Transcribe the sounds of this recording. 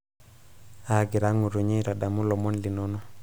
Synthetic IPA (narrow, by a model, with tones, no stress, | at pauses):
a˨ɡi˨ɾa˦ŋu˨ɾu˨ɲe˦ɾa˨ɗa˨mu˦lɔ˨mɔ˦nli˨no˦no˦